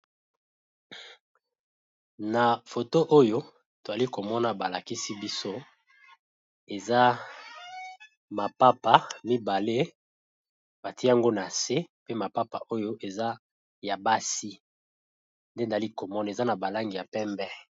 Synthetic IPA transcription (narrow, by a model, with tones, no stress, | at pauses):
na˨fo˨to˦ʔo˦jo˦ | to˨za˨li˦ko˨mɔ˦na˨ba˨la˨ki˦si˦bi˦so˦ | e˨za˦ | ma˨pa˦pa˨mi˦ba˨le˦ | ba˨ti˦a˦ŋɡo˦na˨se˦pe˦ma˨pa˦pa̰˨ʔo˦jo˦ʔe˨za˦ | ja˨ba˦si˦ | nde˦n˨a˨li˦ko˨mɔ˦n˨e˨za˦na˨ba˨la˦ŋɡi˨ja˨pɛ˦mbɛ˦